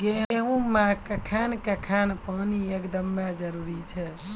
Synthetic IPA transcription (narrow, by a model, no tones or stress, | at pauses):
ɡeɦɦũmãkəkʰankekʰanpəːniekd̪əmːed͡ʒəɾuɾit͡ʃʰɛ